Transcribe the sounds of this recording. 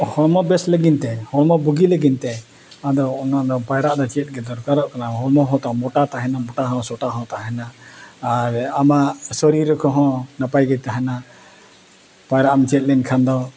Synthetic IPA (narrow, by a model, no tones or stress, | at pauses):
hɔɽmɔbɛsləɡint̪ɛhɔɽmɔbuɡiləɡint̪ɛ | ad̪ɔːnad̪ɔpajɾaʔd̪ɔt͡ʃiət̪̚ˀɡɛd̪ɔɾkaɾɔʔkanaɦɔɾmɔɦɔ̃t̪amɔʈat̪aɦɛnamɔʈaɦɔ̃sɔʈaɦɔ̃t̪aɦɛnaː | ɾamasɔɾiɾəkʰɔɦɔ̃napajɡɛt̪aɦɛna | pajɾaʔamt͡ʃiət̪̚lɛnkʰand̪ɔ